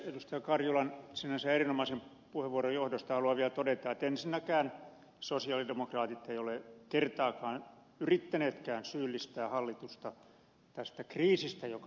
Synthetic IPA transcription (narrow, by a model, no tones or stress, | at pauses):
edust̪ɑjɑkɑrjulɑnsinænsæerinomɑisem | puheʋʋuorojohdost̪ɑhɑluɑʋiælt̪odet̪ɑet̪ensinːækæːn | sosiɑlidemokrɑːt̪it̪eiolekert̪ɑːkɑːn | yrit̪ːæneːt̪kæːnsyːlːist̪æːhɑlːit̪ust̪ɑ | t̪æst̪ækriːsist̪æjok